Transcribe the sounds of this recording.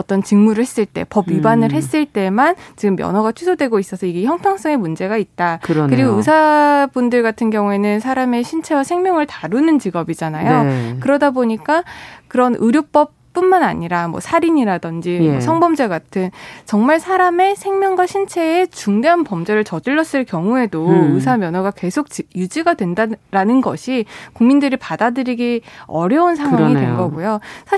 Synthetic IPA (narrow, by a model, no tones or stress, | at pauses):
ʌt͈ʌnt͡ɕiŋmuɾɯɭhes͈ɯɭt͈e̞̰pʌbɥibanɯɭɦhe̞s͈ɯɭt͈e̞mant͡ɕiɡɯmːjʌ̰nɦwʌɡat͡ɕʰɥisʰodwe̞ɡois͈ʌsʰʌiɡe̞çjʌŋpʰjaŋs͈ʌŋe̞mund͡ʑe̞ɡait̚t͈akkɯɾiɡoɯsʰabundɯɭɡatʰɯnɡjʌŋue̞nɯnsʰaɾame̞ɕʰint͡ɕʰe̞wasʰe̞ŋmʲjʌŋɯɭtaɾunɯnt͡ɕiɡʌbid͡ʑanajokɯɾʌdaboɲik͈akɯɾʌnʔɯɾjop͈ʌp̚p͈ːunmana̰ɲiɾamwʌ̰sʰaɾiɲiɾadʌnd͡ʑio̰sʰʌŋbʌmd͡ʑe̞ɡatʰɯnt͡ɕʌŋmaɭsʰaɾame̞sʰe̞ŋmʲjʌŋɡwaɕʰint͡ɕʰe̞ːt͡ɕuŋdeɦanpʌmd͡ʑe̞ɾɯɭt͡ɕʌd͡ʑɯɭːʌs͈ɯɭkjʌŋue̞doɯs̬ʰamjʌnwoɡake̞sʰok̚t͡ɕjud͡ʑiɡadwe̞ndaɾanɯnɡʌɕʰikuŋmindɯɾipadadɯɾiɡiʌɾjʌuns̬ʰaŋɦaaŋidwenɡʌɡujosʰa